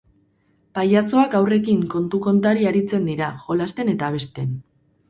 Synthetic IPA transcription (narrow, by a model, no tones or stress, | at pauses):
pajaso̞akawre̞kiŋko̞nt̪uko̞nt̪aɾiaɾit͡se̞nd̪iɾaʝo̞last̪e̞ne̞t̪aβ̞e̞st̪e̞n